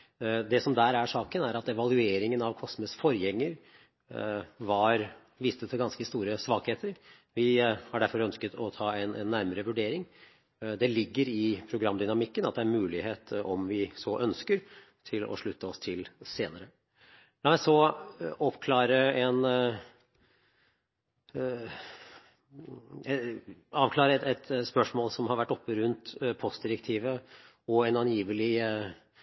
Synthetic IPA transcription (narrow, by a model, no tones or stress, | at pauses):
d̪ɛsɔmd̪æːɾæʂɑːkənæɾɑt̪ɛʋɑlʉeːɾɪŋənɑʋkʰɔsməsfɔɾjɛŋːəɾ | ʋɑɾ | ʋiːst̪ət̪ʰːɪlɡɑnskəst̪uːɾəsʋɑːkheːt̪ʰəɾ | ʋɪhɑɖæɾfɔɾœnskət̪ʰɔt̪ʰɑːɛnɛnːæɾməɾəʋʉɖeːɾɪŋ | d̪ɛlɪɡːəɾɪpʰɾʊɡɾɑmːd̪ʏnɑmɪkːənɑt̪̚d̪ɛæːɾmʉːlɪheːt̪ɔmʋɪsɔʔœnskəɾ | t̪ʰɪlɔ̰ʂɭʉt̪ːəɔst̪ʰɪlseːnəɾə | lɑʋæsɔʔɔpkʰlɑːɾəɛn | ɛɑːʋkʰlɑːɾəɛɛt̪spœʂmoːlsɔmhɑɾʋæʈːɔpːəɾʉnt̪pʰɔst̪d̪ɪɾək̚t̪ʰiːʋə | ɔɛnɑnjiːʋəlɪ